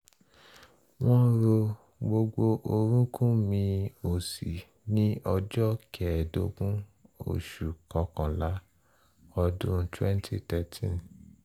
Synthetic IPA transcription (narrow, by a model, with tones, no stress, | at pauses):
w̃ɔ̃˦ɾo˧ | ɡ͡bo˧ɡ͡bo˧ʔo˧ɾũ˦kʰũ˦mĩ˧o˨si˨ | nĩ˦ɔ˧d͡ʒɔ˦kʰɛ˨do˧˦ɡũ˦o̰˨ʃu˨kɔ˧˦kã˨la˨˦ | ɔ˧dũ˦twɛ˦n˦tʰḭ˦tɛ˨tʰĩ˦˨n